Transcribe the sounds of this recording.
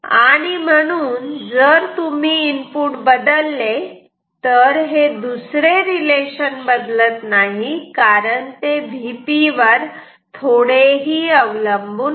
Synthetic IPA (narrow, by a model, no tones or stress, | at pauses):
aaɽ̃im̤əɽ̃uːnd͡zəɾt̪umiːmpuːʈbəd̪əlːe | t̪əɾɦed̪usɾeɾileɕənbəd̪lət̪naɦikaɾəɳt̪ebʱipiʋəɾ | t̪ʰoɽeɦiːəʋləmbuː